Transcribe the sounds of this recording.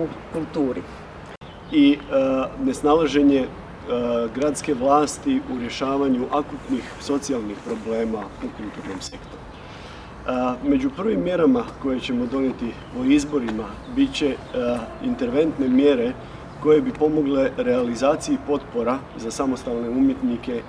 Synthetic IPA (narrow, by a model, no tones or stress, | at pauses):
ukult̪uːɾḭ | i | ne̞snalaʒe̞ɲe̞ | ɡɾat̪ske̞ʋlaːst̪iʔuɾje̞ʃaːʋaɲuʔakut̪nixso̞t̪sialˠnixpɾo̞ble̞ːmaukulˠt̪uɾno̞mse̞kt̪o̞ɾu | me̞d͡ʑupr̩ʋimːje̞ɾamako̞jet͡ɕe̞mo̞d̪o̞njet̪i | oizbo̞ɾimabit̪t͡ɕe̞ | int̪e̞ɾʋe̞nt̪ne̞mje̞ɾe̞ | ko̞je̞bipo̞mo̞ɡle̞ɾe̞alizaːt̪sijipo̞t̪po̞ɾa | zasamo̞st̪alne̞umje̞t̪nike̞